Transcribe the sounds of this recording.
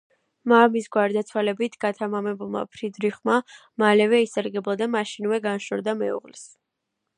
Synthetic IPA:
mamisɡwaɾd̪at̪sʰwalɛbit̪ʰɡ̥at̪ʰamamɛbulˠma̰pʰɾid̪ɾiχma | malɛvɛisaɾɡɛblˠad̪amaʃinvɛɡanʃɔɾd̪amɛṵʁlis

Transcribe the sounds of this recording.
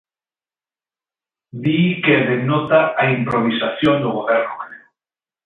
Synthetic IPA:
d̪ikeðenot̪aaimpɾoβ̞isaθjond̪oɣ̞oβɛɾnokɾe

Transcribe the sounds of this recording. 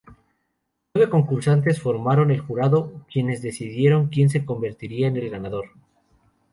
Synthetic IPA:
nweβe̞ko̞ŋkuɾsant̪̬e̞sfo̞ɾmaɾo̞ne̞lxuɾaðo̞kje̞ne̞zðe̞siðje̞ɾo̞ŋkje̞ns̬e̞ko̞mbe̞ɾt̪iɾiaene̞lɣanaðo̞ɾ

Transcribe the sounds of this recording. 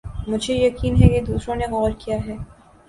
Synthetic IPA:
mʊd͡ʒʱejɐkiːnɦɛked̪uːsɾõneɣɔːɾkijaɦɛː

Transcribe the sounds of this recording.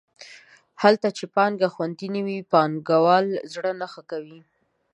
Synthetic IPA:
halt̪at͡ʃepɑŋɡaxwant̪iniwipɑnɡawɑlzɽənaxakawi

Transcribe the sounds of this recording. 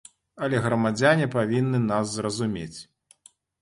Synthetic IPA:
ɐlʲɛɣɾɐmad͡zʲanʲipavʲinːɨnaszrɐzumʲḛt͡sʲ

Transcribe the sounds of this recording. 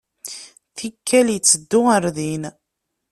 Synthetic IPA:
θikʰːæljət͡sːəd̪ːʊəɾðin

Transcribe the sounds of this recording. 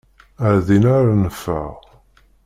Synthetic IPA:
æɾðinaɾanəfə̰ʁ

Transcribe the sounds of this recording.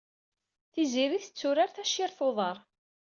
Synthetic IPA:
θiziɾiθət͡sːuɾaɾθæʃiɾθoðˤəɾˤ

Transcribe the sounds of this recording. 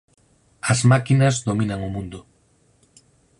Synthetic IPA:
ɐzmakinɐzðomĩnɐŋomũnd̪ʊ

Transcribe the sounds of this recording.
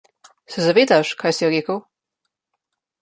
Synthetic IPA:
sɛzaʋeːd̪aʃkaːjsijɔɾeːkəw

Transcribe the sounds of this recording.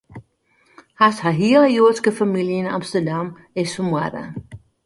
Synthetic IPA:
hashaɦiələjoətskəfamiljɪna̰mstərdam | ɪsfəmwadə̰

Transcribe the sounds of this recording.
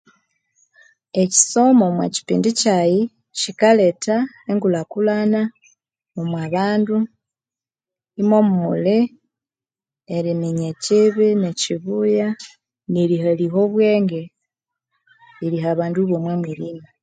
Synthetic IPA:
eci̥so̞momwaci̥pḭːndicaji | cikaleta | eŋɡulakulana | omwaβaːndu | imo̞mumuli | eɾiniɲeciβineciβuja | nilihaliɦo̞βwe̞ːŋɡe | iɾiɦaβaːnduβwomwemwiliːna

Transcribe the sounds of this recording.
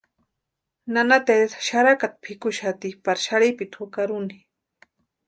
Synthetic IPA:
nanat̪etʃaɾakat̪̚pʰɪkʊʃat̪ipaɾʃaɾipit̪hukaɾʊni

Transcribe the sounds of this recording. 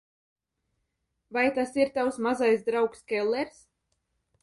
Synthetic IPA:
vajt̪asiɾt̪awsmazajsd̪ɾawkskʲɛlˠːɛɾs

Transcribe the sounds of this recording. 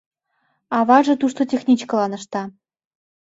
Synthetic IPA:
ɑβɑʒɤ̆t̪uʃt̪ot̪ʲexnʲit͡ɕkɤ̆lɑnɤ̆ʃt̪ɑ

